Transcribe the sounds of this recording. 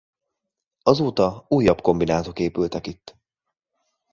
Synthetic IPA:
ɒzoːt̪ɒuːjːɒbko̞mbinaːt̪o̞keːpylt̪ɛkit̪ː

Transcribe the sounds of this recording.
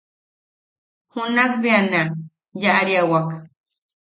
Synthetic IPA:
hunakbiana | jaʔɾiawak

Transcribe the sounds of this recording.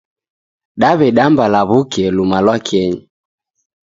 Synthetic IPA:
ɗaβɛɗambalaβukɛlumalwakɛɲi

